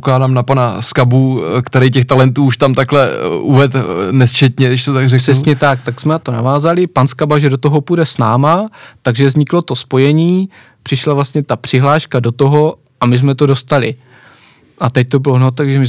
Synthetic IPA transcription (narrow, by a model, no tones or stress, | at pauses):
poklaːdaːmnapanaskabukt̪ɛɾɛjcɛxt̪alɛnt̪uːʃt̪amt̪aklɛʔuvɛt̪nɛst͡ʃɛt̪ɲɛdɪʃt̪ot̪aɡrɛr̥ɛsɲɛt̪ak̚t̪aksmɛnat̪o̞navaːzalɪpanskabaʒɛdo̞t̪oɦo̞pudɛsnaːmat̪aɡʒɛvzɲɪklo̞t̪o̞spo̞jɛɲiː | pr̥ɪʃlavlast̪ɲɛt̪apr̝̥ɪɦlaːʃkado̞t̪o̞ɦo̞ | ʔamɪzmɛt̪o̞do̞st̪alɪ | ʔat̪ɛc̚t̪o̞bɪlonot̪aɡʒɛmɪ